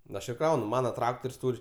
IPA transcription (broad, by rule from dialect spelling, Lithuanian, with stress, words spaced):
nʊ ˈɐʃ ɪr ˈkrɐʊnʊ ˈmɑːnɐ ˈtrɑːktoːrʲsʲ ˈtuːrʲ